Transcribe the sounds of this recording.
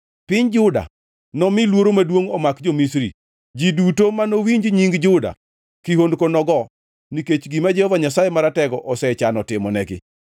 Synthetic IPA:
pɪɲd͡ʒʊda̰ | nɔmɪlwoɾomadwoŋɔmakd͡ʒomisɾi | d͡ʒidutomanowiɲd͡ʒɲiŋɡd͡ʒʊda̰ | kihondkonɔɡɔ | niket͡ʃɡimad͡ʒɛhɔvaɲasajemaɾatɛɡɔʔɔsɛt͡ʃanɔtɪmɔnɛɡɪ̰

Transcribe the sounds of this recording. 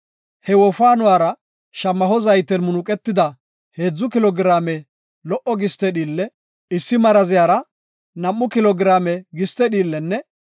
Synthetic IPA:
hɛwɔfaːnʊwaːɾɐ | ʃɐmːɐɦɔzɐjt̪ːɛnmʊnʊkʼɛt̪ːɪd̪ɐ | he̞ːd͡zːʊkɪlɔɡɪɾaːmɛ | lɔʔɔɡɪst̪ɛɗiːlːɛ | ɪsːɪmɐɾɐzɪjaːɾɐ | nɐmːʊkɪlɔɡɾaːmɛɡɪst̪ɛɗiːlːɛnːɛ

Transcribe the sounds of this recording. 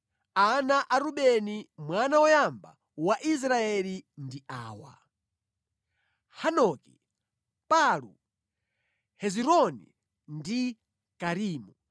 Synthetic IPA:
anaʔaɾuɓɛnimwanawɔjamba̰ | waʔis̬ɾaɛlindiʔaːwa̰ | hanɔːki̥ | palṵ | hɛziɾɔnḭ | ndi | kaɾiːmu

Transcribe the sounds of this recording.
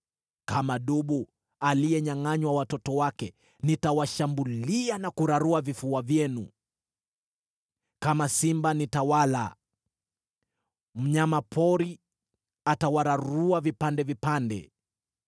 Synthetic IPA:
kamaɗuɓu | aliɛɲaŋaɲwawatɔtɔwakɛ | nitawaʃambulianakuɾaɾuavifuavjɛnṵ | kamasimbanitawala̰ | m̩ɲamapʰɔɾi | atawaɾaɾuavipandɛvipandɛ̰

